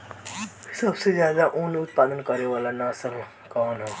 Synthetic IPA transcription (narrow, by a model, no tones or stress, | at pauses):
səbsed͡ʒjaːd̪aʔunʊt̪paːd̪ənkəɾeʋalanasəɾ | kɔːnɦɛ̃